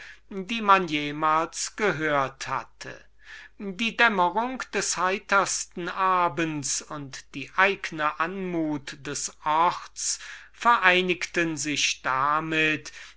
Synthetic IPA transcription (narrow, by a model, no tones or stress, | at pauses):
diːmanjeːmaːlsɡ̥əɦøːɐtha̰tʰə̰ | diːdɛməʁʊŋkd̥ɛshaɪtɐstn̩ʔaːbənsʊntd̥iːʔaɪɡənəʔanmuːtd̥ɛsʔɔʁt͡sfɛɐʔaɪnɪktənzɪçd̥amɪt